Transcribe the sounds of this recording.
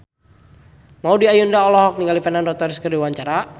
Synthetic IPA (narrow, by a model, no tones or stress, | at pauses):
maudiajundaɔlɔɦɔk̚niŋɡalifɛnandɔk̚t̪ɔɾiskərdiwaɲt͡ʃaɾa